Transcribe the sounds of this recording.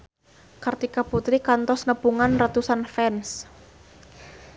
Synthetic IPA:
kart̪ikaput̪ɾikant̪ɔsnəpuŋanrat̪usanfɛns

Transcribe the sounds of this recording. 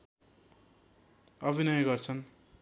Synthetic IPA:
ʌbʱinʌjɡʌrt͡sʰʌn

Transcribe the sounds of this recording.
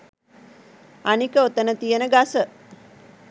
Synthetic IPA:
anikəot̪ənət̪ijənəɡasə

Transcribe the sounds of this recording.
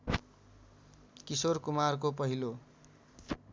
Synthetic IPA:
kisorkumarkop̬ʌɦilo

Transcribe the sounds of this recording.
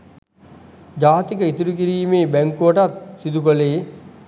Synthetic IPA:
d͡ʒaːt̪ikəit̪uɾukiɾiːmeːbæŋkuʋəʈat̪sid̪ukoleː

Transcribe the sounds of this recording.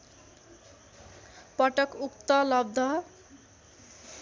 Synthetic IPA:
pʌʈʌkukt̪ʌlʌb̚d̪ʱʌ

